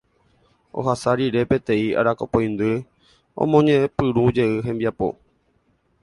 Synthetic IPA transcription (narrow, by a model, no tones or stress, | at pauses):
o̰ɦasaɾiɾe̞pe̞t̪ẽ̞ia̰ɾakopoj̃nd̪ɨ | õ̰mõɲẽpɨɾũd͡ʒe̞ɨɦẽ̞mbiapo̞̰